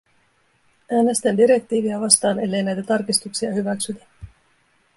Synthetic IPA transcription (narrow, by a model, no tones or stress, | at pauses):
æːne̞st̪ændiɾe̞k̚t̪iːʋiɑʋɑst̪ɑːne̞lːe̞jnæjt̪æt̪ɑrkist̪uksiɑhyʋæksyt̪æ